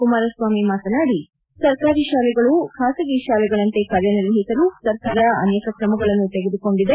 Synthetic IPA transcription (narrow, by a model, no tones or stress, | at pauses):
kumaːɾɐsʋaːmimaːt̪ɐnaːɽi | sɐɾkaːɾiʃaːlɛɡɐɭukʰaːsɐɡiʃaːlɛɡɐɭɐnt̪e̞kaːɾjɐniɾʋɐɦisɐlusɐɾkaːɾɐɐ̰nɛːkɐkɾɐmɐɡɐɭɐnːut̪eɡed̪uko̞ɳɖid̪e